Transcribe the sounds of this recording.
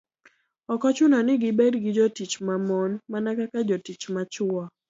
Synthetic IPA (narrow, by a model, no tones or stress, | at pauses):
ɔkɔt͡ʃʊnɔnɪɡɪbɛdɡɪd͡ʒɔtit͡ʃmamɔnmanakakad͡ʒɔtit͡ʃmat͡ʃʊɔ